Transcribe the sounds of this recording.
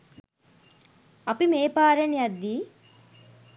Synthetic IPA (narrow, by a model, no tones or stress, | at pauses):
ɐpimeːpaːɾɐniɐd̪ːi